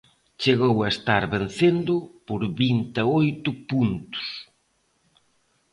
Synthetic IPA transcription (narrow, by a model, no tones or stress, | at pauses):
t͡ʃeɣowɐest̪aɾβen̟θend̪ʊpoɾβint̪eojt̪ʊpunt̪ʊ̥s